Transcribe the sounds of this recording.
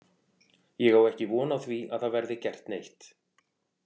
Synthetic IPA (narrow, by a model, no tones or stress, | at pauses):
jɛɣawɛhcɪvɔːnawθvia̰ðθaðvɛɾðɪcɛr̥t̪nejht̪